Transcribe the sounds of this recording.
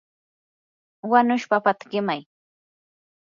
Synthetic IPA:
wanʊʃpapat̪ɢɪmaj

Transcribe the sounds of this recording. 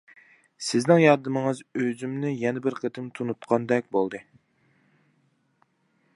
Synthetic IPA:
sɪznɪŋjɑɾd̪ɨmɨŋɨzøzymnɪjɛnɪbɪɾqʰət̪ʰɨmt̪ʰunut̪qʰɑnd̪ɛk̚ʲbolˠd̪ɨ

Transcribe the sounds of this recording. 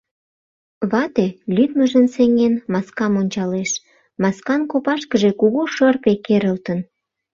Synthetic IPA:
βɑt̪elyd̪məʒənseŋenmɑskɑmonʲt͡ɕɑleʃ | mɑskɑnkopɑʃkəʒe̽kuɣoʃərpekeɾəlt̪ən

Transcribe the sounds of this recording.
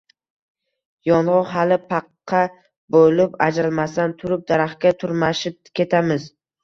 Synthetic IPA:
jɒnʁʊqɦalɪpʰɑqʰːɑ | bolɪpad͡ʒɾɪlˠmasant̪ʰʊɾɪp̚d̪aɾaχkʲat̪ʰʊɾmaʃɪp̚kʲʰe̞t̪ʰamɪz

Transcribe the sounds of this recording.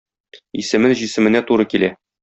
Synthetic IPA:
ḭsɘ̆mɘnʑisɘ̆mɘ̆næt̪uɾɤkilæ

